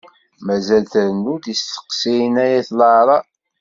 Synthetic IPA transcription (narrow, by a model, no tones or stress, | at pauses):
mæzælθəɾənːud̪ist̪ə̥qsinæjæθlɑɾˤɑ